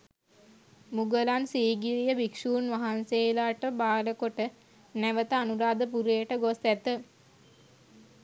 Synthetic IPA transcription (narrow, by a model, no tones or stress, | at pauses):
muɡəlansiːɡiɾijəʋikʂuːnʋaɦanseːlaʈəbaːləkoʈə | næʋət̪əanuɾaːd̪əp̬uɾeːəʈəɡosæt̪ə